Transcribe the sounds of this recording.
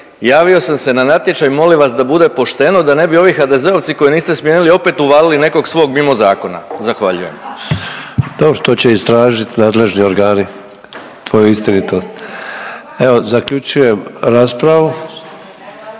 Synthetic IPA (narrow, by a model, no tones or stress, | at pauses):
jaːʋio̞samse̞nanat̪je̞t͡ʃajmo̞liʋasd̪abud̪e̞po̞ʃt̪e̞no̞d̪ane̞bio̞ʋixad̪e̞ze̞o̞ʋt̪siko̞jniːst̪esmjenilio̞pe̞ːt̪uʋaːliline̞ko̞ɡsʋo̞ɡmimo̞zaːko̞na̰zaxʋaʎuje̞m | d̪̥obɾot̪ot͡ɕe̞ist̪ɾaːʒit̪naːd̪le̞ʒnioɾɡaːni | t̪ʋo̞juist̪init̪o̞st̪ | eozakʎut͡ʃuje̞mɾaːspɾaʋu